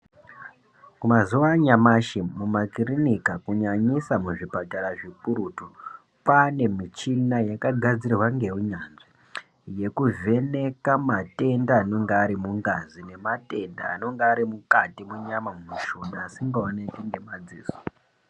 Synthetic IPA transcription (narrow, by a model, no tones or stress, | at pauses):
kumazuwaɲamaʃemumakirinikakuɲaɲisamuʐipataɾaʐipuɾutu | pane̞mit͡ʃinajakaɡʱad͡zirwaŋɡe̞uɲanʐi | je̞kuve̞ne̞kamate̞ndaːno̞ŋɡeːɾimuŋɡazine̞mate̞nda̰ːno̞ŋɡeaɾimukatimuɲamamumuʃunaːsiŋɡaonekiŋɡe̞mad͡ziːzo